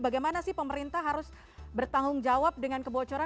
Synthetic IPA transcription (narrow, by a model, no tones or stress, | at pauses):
baɡajmanasɪhpəməɾint̪ahɦaɾʊs | bərt̪aŋʊŋd͡ʒawap̚dəŋankəbot͡ʃoɾa